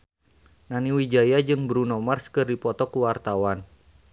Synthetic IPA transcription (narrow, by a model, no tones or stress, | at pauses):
naniwid͡ʒajad͡ʒɨŋbɾunɔmarskɨrdipɔt̪ɔkuwart̪awan